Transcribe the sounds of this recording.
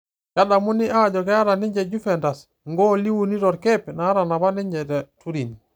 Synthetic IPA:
ja˦da˨mu˦ni˦ʔa˦d͡ʒɔ˨kɛ˦ja˦ɾa˨ni˦ɲd͡ʒɛ˨d͡ʒu˦fɛ˨nda˨s | ŋɡo˦li˦wu˨ni˦ɾɔ˨ɾke˦pna˨˦ɾa˨na˨βa˦ni˦ɲd͡ʒɛ˨tɛ˨tu˦ɾi˨ni˨

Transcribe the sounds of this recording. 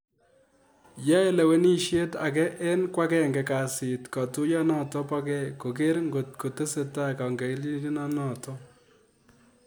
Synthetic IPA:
ja˦ɛ˦lɛ˨wɛ˦ni˦ʃje˦ta˨k̬ɛ˦ʔɛ˦nkwa˦kɛ˦˨ŋɡɛ˨ka˨sɪ˨tka˨tu˦jɔ˦nɔ˦tɔ˦pa˦kɛ˦˨ko˨k̬e˦ɾŋɡo˨t̚ko˨te˦se˨ta˦ka˨ŋɡɛ˨i˦li˦i˦nɔ˦nɔ˨tɔ˦

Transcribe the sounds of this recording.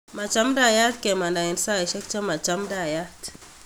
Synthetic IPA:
ma˨t͡ʃa˦mda˨ja˦tke˨ma˨na˨ji˨nsa˦a˨ʃɛ˦k̚t͡ʃa˦ma˨t͡ʃa˦mda˨ja˦t

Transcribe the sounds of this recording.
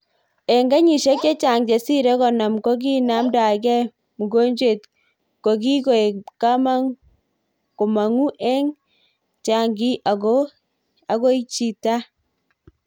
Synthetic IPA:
ɛ˨ŋɡa˦ɲi˨ʃe˦kt͡ʃe˦t͡ʃa˨ŋd͡ʒe˨si˦ɾɛ˦kɔ˨na˨mko˦ɡ̬i˦na˦mda˨ɡɛ˦ | mu˨ɡo˦ɲd͡ʒwe˨t | ko˨ɡi˦ɡo˨e˨ka˦ma˦ | ko˨ma˨ŋu˦ʔɛ˦ŋ | t͡ʃa˨ŋɡi˦ʔa˨ɡo˦ | a˨ɡo˦i˦t͡ʃi˨ta˦

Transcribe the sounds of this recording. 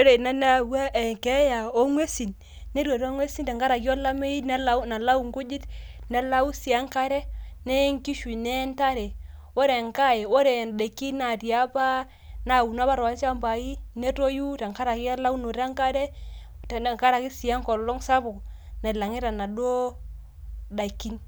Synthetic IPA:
o˦ɾe˨na˦na˦˨wa˦ʔe˨ŋke˦ja˨o˦ŋwe˦si˨n | ne˦ɾwo˨ɾo˦ŋwe˦si˦nta˨ŋka˦ɾa˨ki˦o˦la˦me˦i˦ne˦la˦na˨la˦u˨ŋku˦d͡ʒi˦t | ne˨la˦u˦si˨a˦ŋka˦ɾe˦ne˦ŋki˦ʃu˨ne˦nta˦ɾe˨ | o˦ɾe˨ŋka˦je˨o˦ɾe˨nde˨ki˦na˨tja˦pa˦ | na˨wu˨na˦ba˦ɾa˨˦sa˦mba˨ji˦ne˦to˦ju˦ta˨ŋka˦ɾa˨ki˦a˦la˦u˦no˨ɾa˦ŋka˦ɾɛ˦ | tŋka˦ɾa˨ki˦si˨a˦ŋkɔ˨lɔ˦ŋsa˦bo˨ | ne˨la˨ŋi˦ɾa˨na˨do˦ | da˨i˨kːi˦n

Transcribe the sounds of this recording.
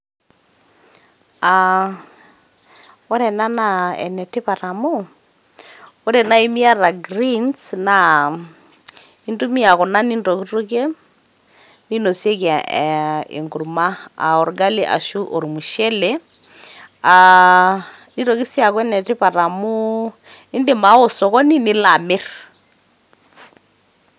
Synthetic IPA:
a | ɔ˦ɾɛ˨na˦na˨ɛ̰˨nɛ˨ti˦pa˨ɾa˨mo˦ | o˦ɾɛ˨na˦i˦mia˦ɾa˨ɡɾinsna | i˦ndu˦mi˦a˨ɣɔ˨na˦ni˦ndo˨ki˦to˦ke˦ | ni˦no˨se˦kja˨ | ḛ˨ŋɡu˨ɾma˦a˨ɔ˨ɾɡa˦li˦ʔa̰˨ʃu˦ʔo˨ɾi˨mu˨ʃɛ˦lɛ˦ | a | ni˦to˨ki˦sja˨kwɛ˦nɛ˨te˦pa˨ɾa˨mo˦ | i˦nde˨ma˨˦o˨sɔ˨kɔ˦ni˦ni˦la˨me˦ɾ

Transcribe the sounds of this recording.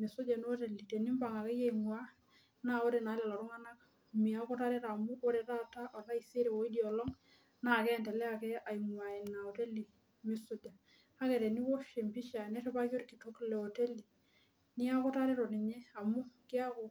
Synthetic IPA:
me˨sʊ˦d͡ʒa˨n˦o˦te˨li˨te˨ni˦mba˨ŋa˨ke˦je˦imwa˦ | na˦o˦ɾe˨na˨˦lɛ˨lɔ˨ɾʊ˦ŋa˦na˦k̚ | mi˨a˦kɔ˦ta˦ɾe˦ɾa˨mʊ˦ʔo˦ɾe˨ta˦ta˦ʔɔ˨la˦i˨se˦ɾe˨wo˨˦i˦djɔ˨lɔ˦ŋ | na˨kɛ˦˨ntɛ˨lɛ˦a˨kɛ˦a˨i˨mwa˨e˨na˨o˨te˦li˨ | mɪ˨sʊ˦d͡ʒa˨ | a˦kɛ˨ɾe˨ni˦wo˦ʃe˨mpi˦ʃa˨nɛ˦te˦pa˦ko˦ɾki˨to˦klɛ˨o˨te˦li˨ | nɪ˦a˦kɔ˦ta˦ɾe˦ɾɔ˨nɪ˨ɲɛ˦a˨mʊ˦kɪ˦a˦ko˨

